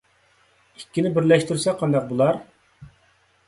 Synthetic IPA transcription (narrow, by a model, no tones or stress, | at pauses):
ikʲːinɪbɪɾlɛʃt̪uɾsɛqʰːɑnd̪ɑq̚bulˠɑɾ